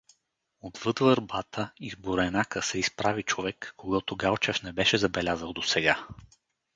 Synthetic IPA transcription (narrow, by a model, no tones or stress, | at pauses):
od̪vɤd̪vəɾbat̪əizboɾɛnakəsɛispɾavit͡ʃovɛkːoɡɔt̪oɡalˠt͡ʃɛfnɛbɛʃɛzɐbɛlʲazəlˠd̪osɛɡa